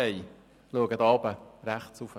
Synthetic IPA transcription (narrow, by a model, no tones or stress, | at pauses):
ɛɪ | luəɡəd̪ɑbəɾæχt͡sufə